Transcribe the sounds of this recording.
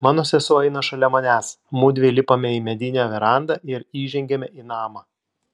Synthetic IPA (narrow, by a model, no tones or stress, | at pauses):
mɑːnoːsʲɛsʊɐɪnɐʃɐlʲɛmɐnʲæːs | mud̪ʲʋʲelʲɪpɐmʲɛiːmʲɛd̪ʲɪnʲɛʋʲɛɾɑˑnd̪ɐɪɾiːʒʲɛŋʲɡʲɛmʲɛiːnɑːmɑ